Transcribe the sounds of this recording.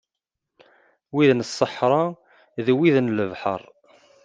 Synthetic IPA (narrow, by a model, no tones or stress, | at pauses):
wiðnəsˤːəħɾˤɑ | ðwiðnləvħə̰ɾˤ